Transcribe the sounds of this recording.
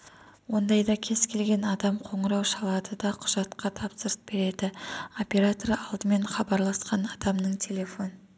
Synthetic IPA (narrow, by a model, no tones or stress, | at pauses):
wo̞nd̪ɑjd̪ɑkʲʰe̞zkʲʰe̞lɡʲe̞nɑd̪ɑmqʰo̞ɴəɾɑwʃɑlˠɑd̪əd̪ɑqʰʊʒ̥ɑt̪qɑt̪ʰɑpsəɾəsb̥e̞ɾe̞d̪ɪo̞pʲeɾat̪oɾɑlˠd̪əme̞ɴχɑbɑɾlˠɑsqɑnɑd̪ɑmnəɴt̪ʲʰe̞lʲe̞fo̞nə